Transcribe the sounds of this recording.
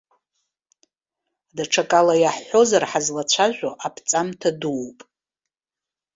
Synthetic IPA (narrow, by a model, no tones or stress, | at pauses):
daʈ͡ʂʰakʼalajaħːo̞zarħazlat͡ɕʷʰaʒᶣʷaʔapʰt͡sʼamtʰaduwpʼ